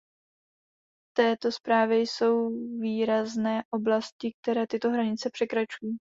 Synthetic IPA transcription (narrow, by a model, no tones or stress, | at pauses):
ft̪ɛːt̪o̞spɾaːvjɛjso̞wviːɾaznɛːʔo̞blascɪk̚t̪ɛɾɛːt̪ɪt̪o̞ɦɾaɲɪt͡sɛpr̝̥ɛkɾat͡ʃuji